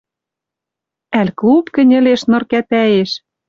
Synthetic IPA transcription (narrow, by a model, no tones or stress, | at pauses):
ælʲklupkɘ̆nʲɘ̆leʃnɤ̆rkæt̪æjeʃ